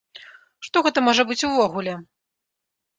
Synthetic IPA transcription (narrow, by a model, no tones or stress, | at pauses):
ʂt̪ɔɣɛt̪ɐmɔʐɐbɨt͡sʲuvɔɣulʲɛ